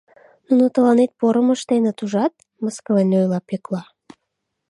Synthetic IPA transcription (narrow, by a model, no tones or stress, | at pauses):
nunut̪ə̆lɑnet̪̚poɾəməʃt̪enə̆t̪uʒɑt̪̚ | məskəlenʲojlɑpeklɑ